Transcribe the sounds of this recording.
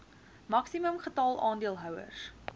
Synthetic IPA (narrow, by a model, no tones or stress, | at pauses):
mɐksiməmχətɑlˠʔɑːndiəlˠɦœwə̰rs